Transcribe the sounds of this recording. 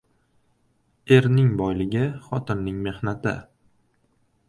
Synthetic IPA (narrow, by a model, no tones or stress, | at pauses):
e̞ɾnɪŋbɒjlɪɡʲɪχɒt̪ʰɪnːɪŋme̞hnat̪ʰɪ̰